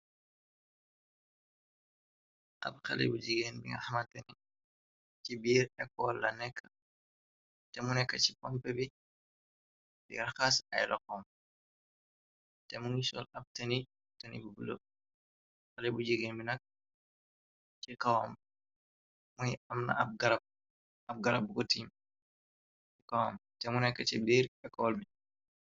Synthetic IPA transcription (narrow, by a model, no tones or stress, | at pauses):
ʔɐ̰p̚xɐ̰lɛ̰bud͡ʒiɡeːnbḭŋɡɐ̰hɐmɐtɐni | t͡ʃibiːɾɛkːɔlːɐnɛkːɐ̥ | tɛmunɛkːɐt͡ʃi̥pɔmpɛbi | bḭŋɐxasɐ̰jlɐkɔm | tɛmunisɔ̰lɐb̚tɐni | tɐnḭbubulo̰ | ɐlɛbud͡ʒiɡenbinɐk̚ | t͡ʃikawam | mujɐmnɐ̰b̚ɡɐɾɐb̚ | ɐb̚ɡɐɾɐb̚kɔtim | ikawamtɛmunɛkːɐt͡ʃidiɾɛkːɔlmi